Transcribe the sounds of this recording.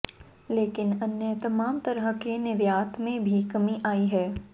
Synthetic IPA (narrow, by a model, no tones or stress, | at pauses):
leːkɪnɐnjət̪ɐmaːmt̪ɐɾəɦəkenɪɾjaːt̪mẽbʱikɐmiʔaːiɦɛː